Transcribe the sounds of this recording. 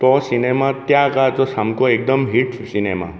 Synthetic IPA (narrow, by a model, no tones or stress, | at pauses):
t̪ɔsinemat̪jãkat̪ɔsamkoek̚d̪əmɦiʈsinema̰